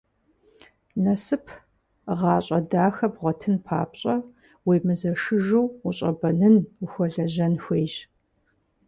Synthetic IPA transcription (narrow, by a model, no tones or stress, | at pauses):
nɐsɨpʰ | ʁɑːɕʼɐdaːxɐpʁʷɔtʰɨnpʰa̰ːpɕʼɐ | weːmɨzɐʂɨʒuwuɕʼɐ̰bɐnɨnuxʷɔɮɐʒɐnxʷeːjʒ